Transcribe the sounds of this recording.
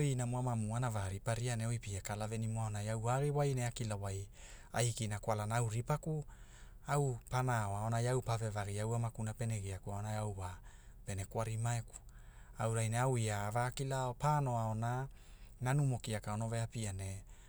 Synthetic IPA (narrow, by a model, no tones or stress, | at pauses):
inamoamamuanavaɾipaɾianeojpiakalavenimoaonajawaɡiwajneakilawaja̰hikinakwalanaawɾipaku | awpanaoaonajawpave̞vaɡiawamakunape̞neɡiakuaonajawva | pe̞ne̞kwaɾimaeku̥ | awɾajneawiavaːkilaopano̞aona | nanumo̞kiakaonoveapiane